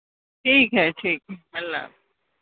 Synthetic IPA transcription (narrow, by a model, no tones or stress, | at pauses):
ʈʰiːkɦɛʈʰiːkɦɛɦɐlːa̰ː